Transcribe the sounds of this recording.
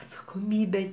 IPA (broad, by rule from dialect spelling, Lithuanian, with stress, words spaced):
ɐtsɐkoːˈmʲiːbʲɛ